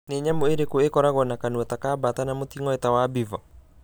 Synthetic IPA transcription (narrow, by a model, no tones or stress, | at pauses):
neɲamoeɾekoekɔɾaɣɔnakanuatakaːbatanamotiŋɔɛtawabivɔ